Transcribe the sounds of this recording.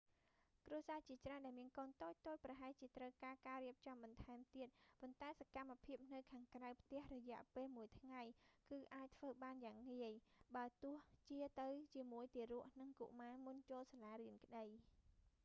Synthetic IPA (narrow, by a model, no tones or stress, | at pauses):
kruəsaːt͡ɕiət͡ɕraənɗaɛlmiənkɑːnt̪oːc̚t̪oːc̚prɑɦaɛht͡ɕiət̪rəwkaːkaːriəp̚t͡ɕɑmɓɑnt̪ʰaɛmt̪iət̪̚pont̪aɛsakamːapʰiəp̚nɨwkʰaːŋkrawpʰt̪ɛ̆əhrɔjɛ̆əʔpeːlmuəjt̪ʰŋajkɨːʔaːc̚t̪ʰʋəːɓaːnjaːŋːiəjɓaət̪ʊ̆əht͡ɕiət̪ɨwt͡ɕiəmuəjt̪iəɾuəʔnɨŋkṵʔmaːmunt͡ɕoːlsalaːɾiənkə̆ɗəj